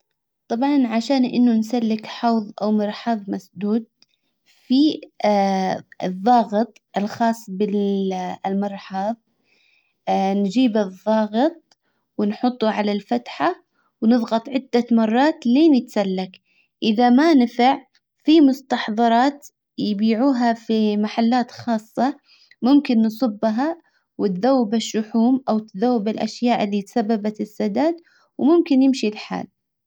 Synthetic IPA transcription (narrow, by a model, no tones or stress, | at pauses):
t̪ˤɑbʕɑnʕaʃaːnʔɪnːʊnsalːɪkħɑwðˤʔawmɑɾˤħɑðˤmasd̪uːd̪̚ | fi | ɨðˤːɑːɣɨt̪ˤʔɪlxɑːsˤːbɪ | lmɑɾˤħɑːðˤ | nd͡ʒiːbɨðˤːɑːɣɨt̪̚ˤ | wɪnħʊt̪ˤːuʕalalfat̪ħa | wnɨðˤɣɑt̪ˤʕɪd̪ːamɑrˤːɑːt̪leːnɪt̪salːak | ʔɪðamanɪfaʕ | fimʊst̪ɑħðˤɑɾˤɑːt̪ | jbiːʕuːɦafimaħalːaːt̪xɑːsˤːɑ | mʊmkɪnːsˤɨbːɦa | wɪt̪ðawːɪbɪʃːʊħuːmʔawt̪ðawːɪbɪlʔaʃjaːʔɪlːit̪sabːabat̪ɪsːad̪aːd̪̚ | wmʊmkɪnjɪmʃilħa̰ːl